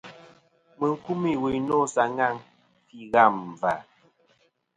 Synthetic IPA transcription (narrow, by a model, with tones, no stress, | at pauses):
mə˨ŋ̩˦˨ku˦mi˦˨we˨nɔ˦˨sa˨ŋa˦˨ŋ | fi˦ɣa˦˨mː˨va˨